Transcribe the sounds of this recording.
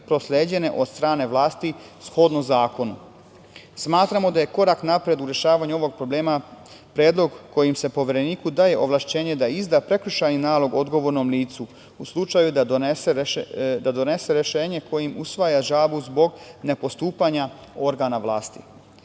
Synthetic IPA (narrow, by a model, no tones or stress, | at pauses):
pɾo̞slʲeːd͡ʑe̞ne̞ʔo̞d̪st̪ɾaːne̞ʋlˠaːst̪i | sxo̞d̪nozaːko̞nu | smaːt̪ɾamo̞d̪aje̞ko̞ɾaknapɾe̞d̪uɾe̞ʃaːʋaɲuo̞ʋo̞ɡ̚pɾo̞ble̞ːma | pɾeːd̪lo̞ɡko̞jimse̞po̞ʋeɾe̞niːkud̪aːje̞ʔo̞ʋlˠaʃt͡ɕe̞ːɲe̞d̪aizd̪apɾe̞kɾuʃajninaːlˠo̞ɡo̞d̪ɡo̞ʋoɾnomliːt̪su | uslˠut͡ʃajud̪ased̪ad̪o̞ne̞se̞ɾe̞ʃe̞ːɲe̞kʰo̞jimusʋajaʒaːbuzbo̞ɡne̞po̞st̪uːpaɲa | o̞ɾɡanaʋlˠaːst̪i